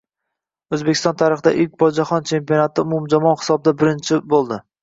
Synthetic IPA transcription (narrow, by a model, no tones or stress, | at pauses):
ɵzbekʲʰɪst̪ɒnt̪ʰaɾɨχɨd̪aʔɪlk̚ʲbɒd͡ʒaχɒnt͡ʃʰe̞mpijonat̪ʰɪʊmʊmd͡ʒamɒnχɪ̥sɒb̚d̪abɪɾɪnt͡ʃʰɪbolˠd̪ɪ